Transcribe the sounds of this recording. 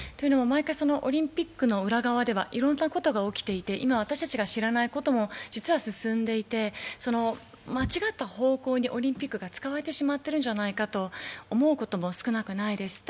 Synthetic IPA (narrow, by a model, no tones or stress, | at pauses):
t̪o̞jiɯ̟no̞momaikaiso̞no̞ʔo̰ɾʲĩmpʲikːɯ̟no̞ɯ̟ɾaɡaβad̪e̞β̞a̰ʔiɾõ̞nːako̞t̪oɡao̞kʲi̥t̪e̞it̪e̞ʔimaβat̪aɕi̥t̪at͡ɕiɡaɕiɾanaiko̞t̪o̞mo̞d͡ʑit͡sɨβasɨsɨ̃nd̪e̞it̪e̞so̞no̞ | mat͡ɕiɡat̪ːaho̞ːko̞ːɲ̟iʔo̞ɾʲĩmpʲikːɯɡat͡sɨ̥kaβaɾe̞t̪e̞ɕimat̪ːe̞ɾɯ̟̃ɲ̟d͡ʑanaikat̪o̞ːmo̞ɯ̟ko̞t̪o̞mo̞sɨ̥kɯ̟nakɯ̟naid̪e̞sɨ̥